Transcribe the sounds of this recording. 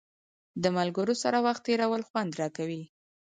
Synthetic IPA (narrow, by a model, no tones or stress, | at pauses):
d̪əmalɡəɾosaɾawaxt̪ːeɾawəlxwand̪ɾɑkawi